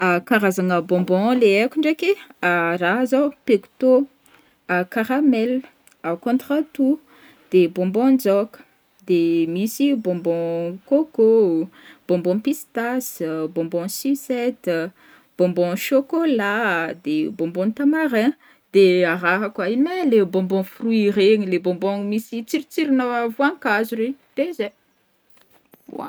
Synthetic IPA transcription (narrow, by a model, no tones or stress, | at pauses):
akaɾazaŋəbɔ̃mbɔ̃leekuɳɖ͡ʐekeaɾaɦzopeku̥t̪o | akaɾamɛl | akɔ̃nt̪ɾat̪u | d̪̥ebɔ̃mbɔ̃nd͡zɔkə̥ | d̪emisibɔ̃mbɔ̃koko | b̥ɔ̃mbɔ̃pist̪asbɔ̃mbɔ̃sisɛt̪ | b̥ɔ̃mbɔ̃ʃokolad̪ebɔ̃mbɔ̃t̪amaɾɛ̃ | d̪̥eaɾaɦakainelebɔ̃mbɔ̃friiɾeɲilebɔ̃mbɔ̃misit͡siɾit͡siɾinavwãŋkazuɾid̪̥eze | a̰